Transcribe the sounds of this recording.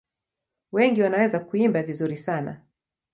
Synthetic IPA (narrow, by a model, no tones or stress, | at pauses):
wɛŋɡiwanawɛzakuimbavizuɾisana̰